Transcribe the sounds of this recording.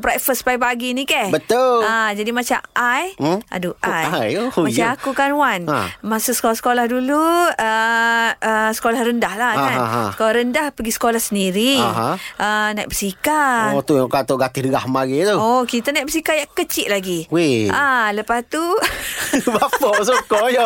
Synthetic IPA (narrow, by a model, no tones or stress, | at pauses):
bɾajfəspajpaɡinikabət̪ʊlad͡ʒadimat͡ʃamʔajʔa̰duʔajajomat͡ʃaakukanwanã̰masusə̥kolahsə̥kolahduluə | əsə̥kolahrəndahlahanɦskolahɾəndahpəɡisə̥kolahsəndiɾiaɦã̰ʔənaj̰ʔbəsikaɔt̪ujaŋkat̪oʔɡat̪ɪhdəɡahmaɡet̪uokit̪anajʔbəs̬ikajakət͡ʃɪʔ̚laɡiwealəpast̪u | bapɔsukɔjɔ